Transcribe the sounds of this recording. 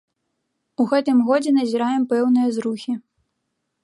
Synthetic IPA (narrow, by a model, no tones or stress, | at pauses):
uɣɛt̪ɨmɣɔd͡zʲɛnɐzʲiɾajɛmpɛwnɨjɐzɾuxʲi